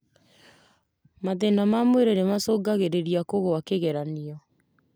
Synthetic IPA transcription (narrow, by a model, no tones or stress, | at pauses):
maðenamamweɾeɾemasoːɡaɣeɾeɾiakoɣoakeɣeɾaniɔ